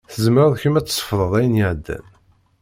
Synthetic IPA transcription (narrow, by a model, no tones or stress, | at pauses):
θəzməɾæðˤçəmæt͡sːsˤə̥fðˤəðˤæjənjəʕd̪ːæ̰n